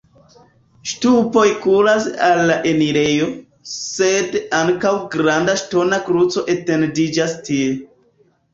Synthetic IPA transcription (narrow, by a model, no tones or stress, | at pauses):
ʃtupo̞jkulasalːaʔe̞niɾe̞jo̞ | se̞daŋkawɡɾandaʃto̞nakɾut͡so̞ʔe̞te̞ndid͡ʒastie̞